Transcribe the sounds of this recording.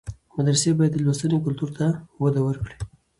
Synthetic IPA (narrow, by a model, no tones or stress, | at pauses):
mad̪ɾasebɑjad̪ːəlwost̪ənekʊlt̪uɾt̪awad̪awəɾkɽi